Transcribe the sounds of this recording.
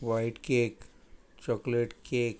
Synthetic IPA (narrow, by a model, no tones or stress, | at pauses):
ʋaɪʈkek | t͡ʃɔkleʈkeːk